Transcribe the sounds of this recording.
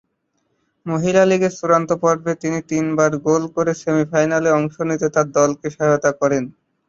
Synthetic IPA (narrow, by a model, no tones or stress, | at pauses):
moɦilaliɡeɾt͡ʃuɾant̪opɔɾbʱet̪init̪inbaɾɡolkoɾesemifajnaleɔŋʃonit̪et̪aɾd̪ɔlkeʃaɦot̪akɔɾen